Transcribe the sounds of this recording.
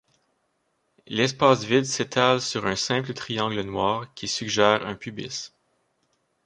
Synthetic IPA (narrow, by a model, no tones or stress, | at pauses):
lɛspaːsvɪd̪set̪ʰalsyʁœ̃sɛ̃plət̪ʁijɑ̃ɡlənwɑːʁkʲisyɡʒɛːʁɛ̃pybɪ̰s